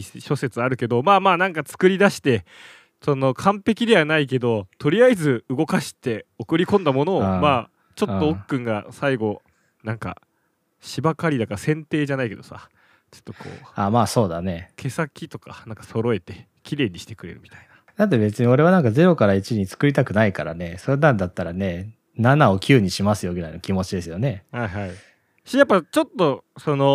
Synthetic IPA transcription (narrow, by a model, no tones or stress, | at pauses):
ɕo̞se̞t͡sɨaɾɯ̟ke̞d̪o̞maːmaːnãŋkat͡sɨ̥kɯ̟ɾʲid̪aɕi̥t̪e̞ | so̞no̞kʰãmpe̞kʲid̪e̞β̞anaike̞d̪o̞t̪o̞ɾʲijaizɨɯ̟ɡo̞kaɕi̥t̪e̞o̞kɯ̟ɾʲikõ̞nd̪amo̞no̞ːmaː | t͡ɕo̞tːo̞okːɯ̟̃ŋɡasaiɡo̞ | nãŋka̰ | ɕibakaɾʲid̪akaɾasẽ̞nt̪e̞ːʑanaike̞d̪o̞sa̰ | t͡ɕo̥t̪ːo̞kʰo̰ːaːmaːso̞ːd̪ane̞kʰe̞sakʲit̪o̞ka̰nãŋkḁso̞ɾo̞e̞t̪e̞ | kʲiɾe̞ːɲ̟iɕi̥t̪e̞kɯ̟ɾe̞̰ɾɯ̟̰mʲi̥t̪aina | d̪at̪̬ːebe̞t͡sɨɲ̟io̞ɾe̞βanãŋkaze̞ɾo̞kaɾait͡ɕiɲ̟it͡sɨ̥kɯ̟ɾʲit̪akɯ̟naikaɾa̰ne̞so̞ɾenaɾd̪at̪ːaɾane̞ | nanao̞kʲʰɨːɲ̟iɕimasɨjo̞ɡɯɾaino̞kʲimo̞t͡ɕid̪e̞sɨjo̞ne̞haiɦai | ɕijapːat͡ɕo̞t̪ːo̞so̞no̞